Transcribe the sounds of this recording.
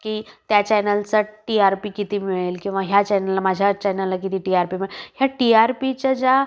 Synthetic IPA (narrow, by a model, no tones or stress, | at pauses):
kiːt̪jat͡ɕɛjnəlt͡saʈiaɾpikit̪iːmiɭelkĩw̃ʋaɦjat͡ɕɛjnəlːamad͡ʑʱjat͡ɕajnəlːakit̪iːʈiaɾpimiɭehjaʈiaɾpit͡ɕad͡ʑa